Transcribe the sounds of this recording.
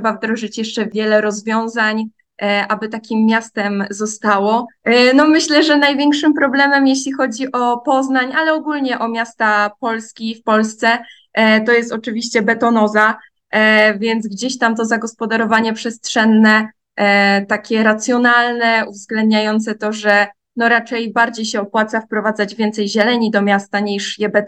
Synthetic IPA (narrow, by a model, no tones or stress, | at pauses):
ʂɛbavd̪ɾɔʐɘt͡ɕjɛʂt͡ʂɛvʲjɛlɛɾɔzvʲjɔ̃w̃zaɲ | ʔabɘt̪akʲimːjast̪ɛmzɔst̪awɔnɔmɘɕlɛʐɛnajvʲjeŋkʂɘmpɾɔblɛmɛmjeɕlʲixɔd͡ʑiʔɔpɔznaɲalɛɔɡulɲɛʔɔmʲjast̪apɔlskʲifpɔlst̪sɛ | t̪ɔjɛst̪ɔt͡ʂɘvʲiɕt͡ɕɛbɛt̪ɔnɔza | vʲjɛnt̪zɡd͡ʑeɕt̪amt̪ɔzaɡɔspɔd̪aɾɔvaɲɛpʂɛstʂɛnːɛ | t̪akʲɛɾat̪sʲjɔnalnɛuvzɡlɛnd̪ɲajɔnt̪sɛt̪ɔʐɛ | nɔɾat͡ʂɛjbaɾd͡ʑejɕɛɔpwat̪safpɾɔvad̪zad͡ʑvʲjɛnt̪sɛjʑɛlɛɲid̪ɔmʲjast̪aɲiʂjɛbɛt̪